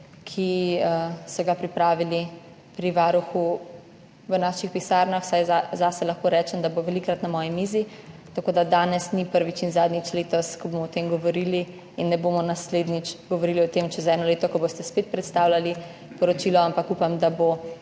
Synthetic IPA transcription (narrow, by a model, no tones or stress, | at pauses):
kʰiəsɔɡapɾipɾaːʋili | pɾiʋaːɾuxu | ʋənaːʃixpisaɾnaxsajzaːsɛlaxkoɾɛːt͡ʃɛmd̪aboʋɛlikɾat̪namɔːjimiːzi | t̪akoːd̪ad̪aːnɛsnipəɾʋit͡ʃinzaːd̪nit͡ʃleːt̪ɔskɔbomɔɔt̪emɡɔʋɔɾili | inːɛbomɔnasled̪nit͡ʃɡɔʋɔɾiliɔt̪emt͡ʃɛzɛnɔleːt̪ɔkɔbost̪ɛspeːt̪̚pɾɛt̪st̪aːwlali | pɔɾɔt͡ʃilɔampakupamd̪abo